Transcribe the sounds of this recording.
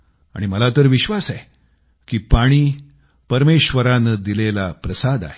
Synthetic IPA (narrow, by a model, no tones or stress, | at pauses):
a̰ɽ̃iməlat̪əɾʋiɕʋasae | kiːpaɽ̃iː | pəɾmeɕʋəɾanəd̪ilelapɾəsad̪a̰ɦe